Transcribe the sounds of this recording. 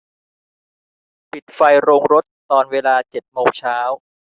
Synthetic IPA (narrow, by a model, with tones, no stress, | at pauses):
pi˨˩t̪̚fa˧jɾoː˧ŋɾo˦˥t̪ːɔː˧nweː˧laː˧t͡ɕe˨˩t̪̚moː˧ŋt͡ɕʰaː˦˥w